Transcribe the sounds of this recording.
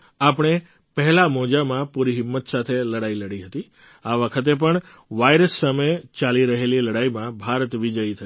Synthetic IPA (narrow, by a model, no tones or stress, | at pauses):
apɳ̃e | pəɦɛlamod͡ʒamãpuɾiɦɪmːət̪sat̪ʰeləɽailəɽiɦət̪i | aʋəkʰət̪̬ep̬əɳ | ʋajɾəsːəməjt͡ʃaliɾəɦeliləɽajmãbʱaɾət̪ʋid͡ʒəjit̪ʰə